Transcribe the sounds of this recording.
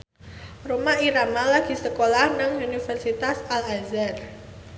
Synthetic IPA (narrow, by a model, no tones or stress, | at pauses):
romaiɾamalaɡ̥i̤səkolahnaŋunifərsit̪asalazar